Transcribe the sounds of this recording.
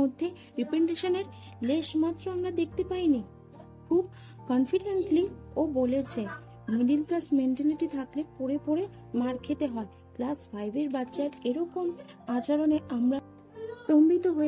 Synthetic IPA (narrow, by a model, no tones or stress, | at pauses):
od̪ʱːe | ɾipeɳʈiʃoneɾ | leʃmat̪ːɾoamɾad̪ek̚ʰt̪epajni | kʰub | kɔnfiɖeɳʈliobolet͡ɕʰe | miɖilklasmeɳʈaliʈit̪ʰaklepoɾepoɾe | maɾkʰet̪eɦɔe | klasfʰajbeɾbatːʃaɾeɾɔkom | at͡ɕaɾoneʔamɾa | st̪ombit̪oɦoe